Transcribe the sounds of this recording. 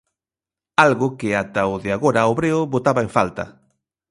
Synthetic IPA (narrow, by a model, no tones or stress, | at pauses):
alɣʊkɪat̪ɐoðɪaɣoɾɐoβɾeʊβot̪aβɐẽɱfalt̪ɐ̰